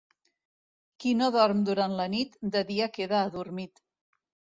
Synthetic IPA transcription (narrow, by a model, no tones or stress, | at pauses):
kinoðɔɾmd̪uɾanlənit̪d̪əðiakeðaːðuɾmit̪